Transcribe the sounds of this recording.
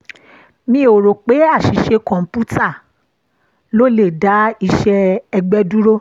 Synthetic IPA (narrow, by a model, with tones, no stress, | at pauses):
mĩ˧˦o˨ɾo˨k͡pe˨˦a˦˨ʃi˨ʃe˧kɔ̃˨m˨pu˦ta˦˨ | lo˦le˦˨da˨˦i˧ʃɛ˧ɛ˧ɡ͡bɛ˦du˦ɾo˦